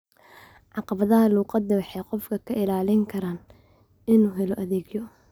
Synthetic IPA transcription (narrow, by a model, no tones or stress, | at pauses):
ʕɑqɑβɐðɐɦɐluːqɑd̪ːɐwɑħɛjqɔfkʰɐkʰɐɪlaːlɪŋkʰɐɾaːn | ɪnuːɦɛlɔʔɐðɛːɡjɔ